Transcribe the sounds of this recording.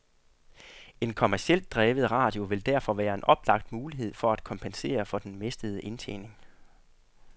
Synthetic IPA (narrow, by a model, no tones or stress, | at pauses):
e̝nkʰɒmæɐsiel̰d̥̚ʁɛːʋəð̩ˠʁɑ̈ːd̥jo̝ʋe̝ld̥æɐ̰fɒ̽ʋæːɐe̝nʔɒ̽b̥lɑ̈ɡ̥d̥muːliɦe̝ð̞̰ˠfɒ̽æd̥kʰɒ̽mpʰense̝̰ːɐfɒ̽d̥enmesd̥əð̞ˠəʔe̝nt͡sʰḛːne̝ŋ